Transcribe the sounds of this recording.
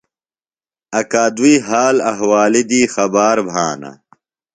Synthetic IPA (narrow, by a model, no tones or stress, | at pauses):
ɐkaːd̪uiːɦaːlɐɦwaːlid̪iːxɐbaːɾbʱaːna̰